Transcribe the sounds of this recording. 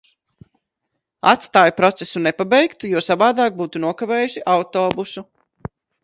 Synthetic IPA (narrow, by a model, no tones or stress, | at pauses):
a̰t̪st̪aːjpɾɔt̪sesunepabɛjkt̪ujuɔsavaːd̪aːk̚buːt̪unuɔkaveːjuʃiʔawt̪oːbusu